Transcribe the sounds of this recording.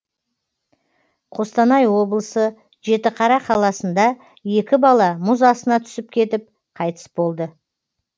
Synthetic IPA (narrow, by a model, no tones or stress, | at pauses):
qʰo̞st̪ɑnɑjwo̞blˠəsə | ʒe̞t̪ɪqʰɑɾɑqʰɑlˠɑsənd̪ɑ | je̞kʲɪbɑlˠɑmʊzɑsənɑt̪ʰʏ̥sɪpkʲʰe̞t̪ɪp̚ | qʰɑjt̪ə̥sbo̞lˠd̪ə